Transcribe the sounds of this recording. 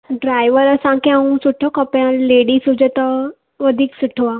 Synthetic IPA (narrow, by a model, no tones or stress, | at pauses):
ɖɾajʋəɾəsãkẽãũsuʈʰɔkɔpjãleɽisud͡ʑət̪ə | ʋəd̪ʱiːksuʈʰʋa